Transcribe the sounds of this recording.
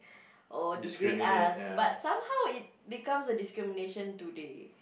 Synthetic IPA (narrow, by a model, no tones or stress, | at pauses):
ʔodiiasbat̚sãmhawit̚bikãmsədiskɹimineʃə̃ntude